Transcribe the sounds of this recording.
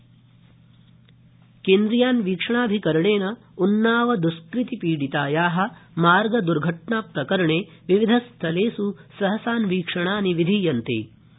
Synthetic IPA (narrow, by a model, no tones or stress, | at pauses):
keːnd̪ɾijaːnʋiːkʂɐɳaːbʱikɐɾɐɳeːnɐ | unːaːʋɐd̪uskɾit̪ipiːɽit̪aːjaːɦɐ̆maːɾɡɐd̪uɾɡʱɐʈɳaːpɾɐkɐɾɐɳeːʋiʋid̪ʱɐst̪ʰɐleːsusɐɦɐsaːnʋiːkʂɐɳaːniʋid̪ʱijɐnt̪ḭː